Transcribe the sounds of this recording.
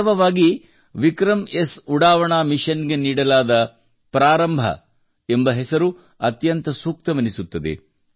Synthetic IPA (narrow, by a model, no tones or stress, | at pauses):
ʋɐʋaːɡi | ʋikɾɐmesuɽaːʋɐɳaːmiʃɐnɡe̞niːɽɐlaːd̪ɐ | pɾaːɾɐmbʱɐ̰ | embɐɦesɐɾu | ɐt̪jɐnt̪ɐsuːk̚t̪ɐmɐnisut̪ːɐd̪ḛ